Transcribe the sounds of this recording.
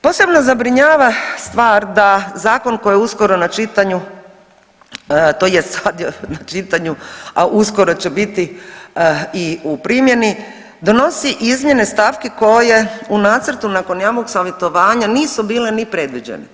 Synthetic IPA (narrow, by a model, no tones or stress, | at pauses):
po̞ːse̞bno̞zabɾiɲaːʋast̪ʋaːɾd̪azaːko̞nkojeusko̞ɾo̞nat͡ʃit̪aɲu | t̪ojesad̪jonat͡ʃit̪aɲuaʔusko̞ɾo̞t͡ɕe̞bit̪i | iupɾimje̞ni | d̪ono̞siʔizmje̞ne̞st̪aːfkeko̞je̞unaːt̪səɾt̪unaːko̞njaːʋoɡsaːʋje̞t̪o̞ʋaːɲaniːsubiːle̞nipɾe̞d̪ʋid͡ʑḛnḛ